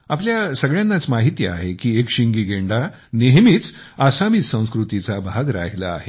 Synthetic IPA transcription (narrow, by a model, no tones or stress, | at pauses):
apljasəɡɭjãnːat͡smaɦit̪jəa̰ɦekiːekɕiŋɡiːɡeɳɖa | neɦmiːt͡s | asamisə̃w̃skɾut̪it͡sabʱaɡɾa̰ɦlaa̰ɦe